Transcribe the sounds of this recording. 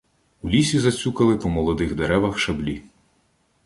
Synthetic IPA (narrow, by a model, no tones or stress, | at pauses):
ulʲisʲizɐt͡sʲukɐlˠɪpɔmɔlˠɔd̪ɪɣd̪eɾɛʋɐxʃɐblʲi